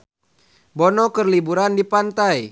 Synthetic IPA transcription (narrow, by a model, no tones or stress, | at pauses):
bɔnɔkərlibuɾandipant̪aj